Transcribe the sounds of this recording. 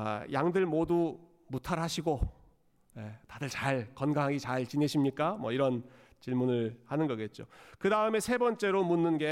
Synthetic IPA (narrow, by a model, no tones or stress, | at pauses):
jaŋdɯɭmodu | mutʰaɾɦaɕʰiɡo | netadɯɭt͡ɕaɭkʌnɡaŋɦaɡit͡ɕaɭt͡ɕineɕʰimɲik͈amwʌiɾʌn | t͡ɕiɭmunɯɭhanɯnɡʌɡet̚t͡ɕ͈okɯdaɯme̞sʰe̞bʌnt͡ɕ͈e̞ɾomunːɯnɡe̞